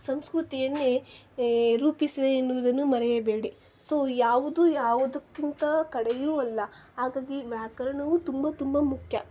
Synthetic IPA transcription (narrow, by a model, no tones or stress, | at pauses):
sɐmskɾut̪ijɐnːe | ɾuːpisid̪eːnːuʋud̪ɐnːumɐɾɛjɐbe̞ːɽi | so̞ːjaːʋud̪ujaːʋud̪ɐkːint̪ɐkɐɽejuːɐlːɐ | ɦaːɡaːɡiʋjaːkɐɾɐɳɐʋut̪umbɐt̪umbɐmukʰjɐ